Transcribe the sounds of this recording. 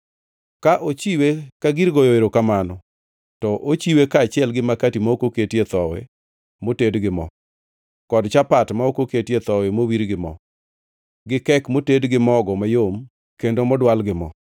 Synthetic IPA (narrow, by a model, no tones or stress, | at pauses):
kaʔot͡ʃiwekaɡiɾɡojoeɾokamanɔ | tɔʔot͡ʃiwekaːt͡ʃɪɛlɡɪmakatimaokoketjet̪ɔwɛ̰ | motedɡɪmɔ̰ | kɔdt͡ʃapatmaokoketjet̪ɔwɛmowiɾɡɪmɔ̰ | ɡɪkɛkmotedɡɪmɔɡɔmajom | kendomɔdwalɡɪmɔ̰